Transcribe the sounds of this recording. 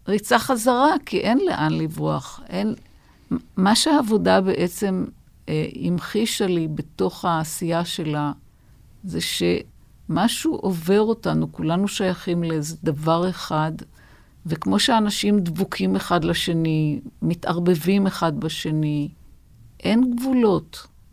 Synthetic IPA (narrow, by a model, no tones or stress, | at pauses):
ʁit͡saχazaʁakʰiʔe̞nle̞̰ʔanlivʁuaχʔen | maʃeaːvo̞dabe̞ʔet͡se̞m | imχiʃalibe̞to̞χaːsijaʃe̞la | zeʃe̞ | maʃuʔove̞ʁo̞tanukulanuʃajaχimlezed̪avaʁeχad | vekmo̞ʃeanaʃimdvukʰimeχad̪laʃe̞nimitaʁbe̞vimeχadbaʃe̞ni | ʔe̞nɡvulo̞t